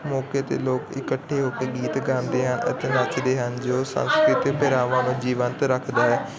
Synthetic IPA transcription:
mɔːket̪ḛloːkɪ̰kəʈʰːeɦʊkeɡiːt̪ɡãːnd̪eːɦənə̰t̪enat͡ʃd̪eːɦənd͡ʒoːsə̰̃nskɾɪt̪ipɪɾaːʋãːmẽd͡ʒiːʋənt̪ɾəkʰd̪aːɦɛː

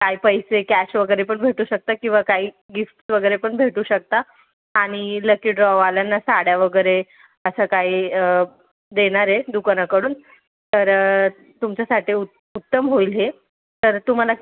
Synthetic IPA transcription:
kaipəjsekæɕʋəɡəjɾepəɳbʱeʈuːɕək̚t̪akĩʋakaiː | ɡifʈsʋəɡəjɾepəɳbʱeʈuːɕək̚t̪aː | ɽ̃iləkiʈɖɾɔʋaljanːasaɽjaʋəɡəjɾe | əsəkaiə | d̪eɽ̃aɾed̪ukəɽ̃akəɽuːn | t̪əɾ | t̪umt͡ɕasaʈiːu | ut̪ːəmɦoilɦe | t̪əɾt̪um̤ala

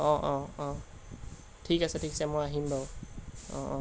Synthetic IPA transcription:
ɔ̃ʔɔ̃ɔ̃ | ʈʰikasɛʈʰikasɛmɔjaɦimbawɔ̰̃ɔ̃

